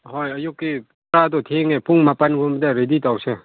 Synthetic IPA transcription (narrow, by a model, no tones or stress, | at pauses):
ɦɔjɐjukːipɾad̪ɔt̪ʰeŋepuŋmapanɡʱumbd̪aɾeditawse